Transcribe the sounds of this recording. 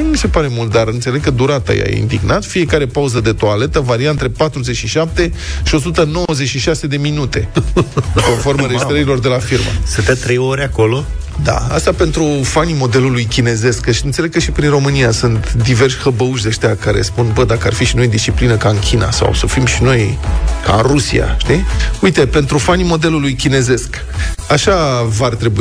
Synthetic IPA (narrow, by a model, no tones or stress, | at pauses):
mise̞paɾe̞mult̪̚d̪aɾɨnt̪se̞le̞ɡ̚kəd̪uɾat̪a̰ja̰jḛḭnd̪iɡnat̪fie̞kaɾe̞pauzəd̪e̞t̪oale̞t̪əvaɾiaɨnt̪ɾe̞pat̪ɾuze̞t͡ʃʃiʃap̚t̪e̞ʃio̞s̬ut̪əno̞wəzet͡ʃʃiʃase̞d̪e̞minut̪e̞ | ko̞nfo̞rməɾed͡ʒist̪ɾəɾilo̞rd̪e̞lafirmə̰sɨnt̪et̪ɾejo̞ɾʲeako̞lo̞ | d̪a̰a̰st̪ape̞nt̪ɾufanimo̞d̪e̞lulujkʲine̞ze̞skəʃiɨnsele̞ɡ̚kəʃipɾinro̞mɨnijasɨnt̪d̪iverʃʲxəbəuʃ̬d̪eaʃt̪eakaɾe̞̰spunbəd̪akəa̰rfiʃino̞jd̪ist͡ʃiplinəkaɨnkʲʰina̰sa̰wsəfimʃino̞jka̰ɨnrusḭa̰ʃt̪iujt̪e̞pe̞nt̪ɾufanimo̞d̪e̞lulujkʲine̞ze̞sk | aʃavart̪ɾe̞bui